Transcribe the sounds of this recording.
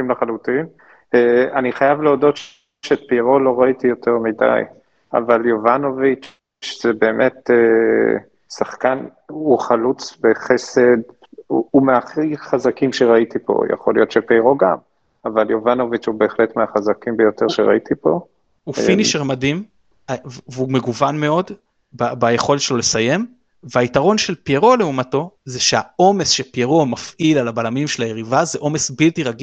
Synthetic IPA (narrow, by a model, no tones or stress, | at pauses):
imlaχalutim | eaniχajavleodo̞tʃ | ʃeːtpiʁo̞lo̞ʁaitijo̞te̞ʁmida̰j | a̰valjovano̞vit͡ʃ | z̥ebeːmʔe̞te | saχkan | uχalut͡sbeχese̞d | umeaχiχazakimʃeʁaitipo̞̰ja̰χo̞lijo̞t̪ʃepiiʁo̞ɡam | avaljovanovit͡ʃubeːχlet̪meaχazakimbejo̞t̪eʁʃeʁa̰it̪ipo̞ | ufiniʃeʁmadim | avveume̞ɡuvanme̞o̞d | babaje̞χo̞let̪ʃelo̞le̞saje̞m | veaitaʁo̞nʃe̞lpjeʁo̞leumato̞zeʃeao̞me̞sʃepjeʁo̞mafʔilalabalamimʃe̞laje̞ʁivazeʔo̞me̞sbiltiʁaɡi